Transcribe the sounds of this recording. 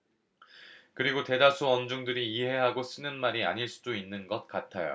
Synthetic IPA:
kɯɾiɡote̞dasʰuʌnd͡ʑoŋdɯɾiːɦe̞ɦaɡos͈ɯnɯnmaɾia̰ɲiɭs͈u̥doinːɯnɡʌt̚k͈atʰajo̰

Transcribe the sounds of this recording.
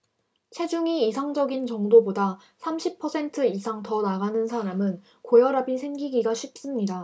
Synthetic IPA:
t͡ɕʰe̞d͡ʑuŋiːsʰaŋd͡ʑʌɡint͡ɕʌŋdoboda | sʰamɕʰipʰʌsʰe̞ntʰɯisʰaŋtʌnaɡanɯnsʰaɾamɯn | kojʌɾabisʰe̞ŋɡiɡiɡaɕʰip̚s͈ɯmɲida

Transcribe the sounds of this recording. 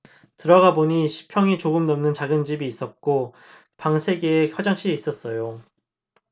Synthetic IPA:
tɯɾʌɡaboɲiɕʰi̥pʰjʌŋit͡ɕoɡɯmnʌmnɯnt͡ɕaɡɯnd͡ʑibiːs͈ʌt̚k͈o | paŋsʰe̞ɡeːçjʌd͡ʑaŋɕ͈ʰiis͈ʌs͈ʌjo

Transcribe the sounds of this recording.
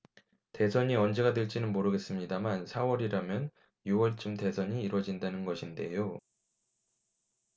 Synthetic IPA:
te̞sʰʌɲiʌnd͡ʑe̞ɡadwe̞ɭt͡ɕ͈inɯnmoɾɯɡe̞s͈ɯmɲidamansʰawʌɾiɾamjʌn | juwʌɭt͡ɕ͈ɯmte̞sʰʌɲiːɾwʌd͡ʑindanɯnɡʌɕʰinde̞̰jo

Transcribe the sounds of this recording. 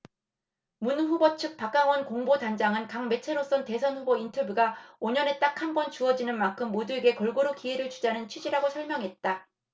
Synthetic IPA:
munɸubʌt͡ɕʰɯk̚pak͈̚aŋwʌnkoŋbodand͡ʑaŋɯnkaŋme̞t͡ɕʰe̞ɾos͈ʌnte̞sʰʌnɸubointʰʌbjuɡaoɲʌne̞t͈akʰhanbʌnt͡ɕuʌd͡ʑinɯnmaŋkʰɯmːodue̞ɡe̞kʌɭɡoɾokie̞ɾɯɭt͡ɕud͡ʑanɯnt͡ɕʰɥid͡ʑiɾaɡosʰʌɭmʲjʌŋɦe̞t̚t͈a

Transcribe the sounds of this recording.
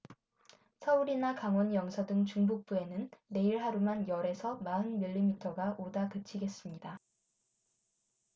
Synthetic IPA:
sʰʌuɾinakaŋwʌnjʌŋsʰadɯŋt͡ɕuŋbuk̚p͈ue̞nɯnːe̞iɭɦaɾumanjʌɾe̞sʰʌmaɯnmiʎːimitʰʌɡaʔodakɯt͡ɕʰiɡe̞s͈ɯmɲida

